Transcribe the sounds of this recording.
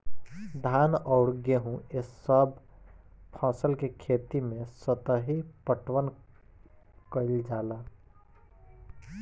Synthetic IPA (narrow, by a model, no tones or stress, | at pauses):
d̪ʱanɔʊɽɡeɦũesəb | pʰãːsəlkekʰet̪imẽsət̪əɦipəʈwən | kəɪld͡ʒaːla